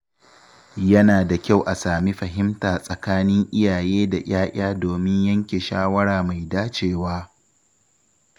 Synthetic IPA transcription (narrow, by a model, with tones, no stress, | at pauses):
jɐ˦naː˨da˨kʲa˦˨wʔa˨saː˨mi˦ɸɐ˨ɦɪ˦mtaː˨sʼɐ˨kaː˦nɪ˦ŋʔɪ˦jaː˨jeː˦da˨ʔʲaː˦ʔʲaː˦doː˨mɪ˦ɲjɐ˦ŋkʲeː˨ʃaː˦wɐ˦ɽaː˨ma˨jdaː˦t͡ʃeː˨waː˦